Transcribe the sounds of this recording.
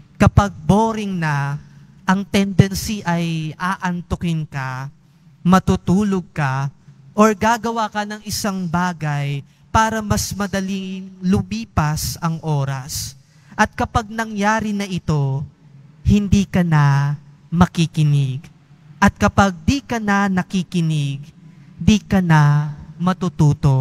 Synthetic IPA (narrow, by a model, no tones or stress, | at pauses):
kɐpɐɡ̚boːɾɪŋnɐ | ʔɐŋt̪ɛnd̪ɛnsiʔɐjʔaːʔɐnt̪ʊkɪnkɐ | mɐt̪uːt̪uːloɡ̚kɐʔoɹɡaːɡɐwaːkɐnɐŋɪsaŋbaːɡɐj | paːɾɐmɐsmɐd̪ɐlɪŋlʊbiːpɐsɐŋʔo̞ːɾɐs | ʔɐt̪̚kɐpɐɡ̚nɐŋjaːɾɪnɐʔɪt̪o̞ | hɪnd̪iːkɐnɐ | mɐkikɪnɪɡ | ʔɐt̪̚kɐpaɡ̚d̪iːkɐnɐnɐkikɪnɪɡ | d̪iːkɐnɐmɐt̪uːt̪uːt̪o̞